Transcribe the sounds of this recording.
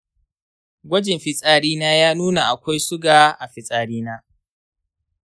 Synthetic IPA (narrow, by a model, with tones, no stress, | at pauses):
ɡʷɐ˦d͡ʒɪ˨mɸɪ˨sʼaː˨ɽiː˦naː˦jaː˦nuː˦na˨ʔa˨kʷa˦jsʊ˦ɡaː˨ʔa˨ɸɪ˨sʼaː˨ɽiː˦naː˦